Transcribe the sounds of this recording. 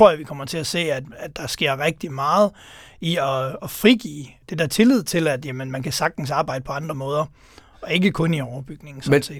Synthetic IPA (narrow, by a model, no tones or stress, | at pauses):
t͡sʰʁo̝ɐ̰ɐʋikʰɒ̽m̰ɐt͡sʰe̝læse̝̰ːæd̥æd̥ɑ̈sɡ̥e̝ɐ̰ʁɛɡ̥̚d̥imɑ̈ːð̞̩ˠ | iɒ̽ɒ̽fʁiɡ̥ḭːd̥e̝d̥æɐt͡sʰe̝lið̞̰ˠt͡sʰe̝læd̥jæmənmænkʰæsɑ̈ɡ̥̚d̥n̩sɑ̈ːbɑ̈ɪdəpʰɒ̽ɑ̈nd̥ʁɐmɔ̽ːð̞ˠɐ | ɒ̽e̝ɡ̥əkʰɔ̽niɒːɐb̥yɡ̥ne̝ŋn̩sɒ̥se̝̰̥ː